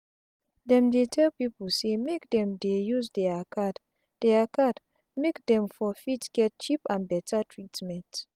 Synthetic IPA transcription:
dɛ̃mdetʰɛlpipəl̩semekdɛ̃mdejuzdɛakʰad | d̥ɛakad | mekdɛ̃mfɔfitɡ̥ɛt̚t͡ʃipãnbɛtʰatʰɹitmɛ̃nt

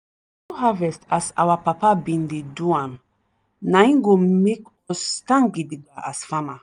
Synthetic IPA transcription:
tuɦavɛstasa̰wapapabĩndeduãn | nãĩŋɡomekɔstãŋɡidiɡaʔasfama

